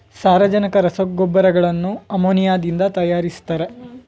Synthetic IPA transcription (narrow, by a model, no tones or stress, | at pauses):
saːɾɐd͡ʒɐnɐkɐɾɐsɐɡɔbːɐɾɐɡɐɭɐnːuɐmoːnijaːd̪ind̪ɐt̪ɐjaːɾist̪ɐɾe̞